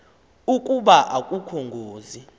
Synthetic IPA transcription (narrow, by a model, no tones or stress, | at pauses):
ukʼuɓaʔakʼukʰoŋɡʱoːzi